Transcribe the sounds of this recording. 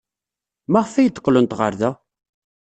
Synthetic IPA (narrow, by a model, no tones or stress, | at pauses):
mæʁfːæjəd̪ə̥qːlənt̪ʁə̰ɾðæ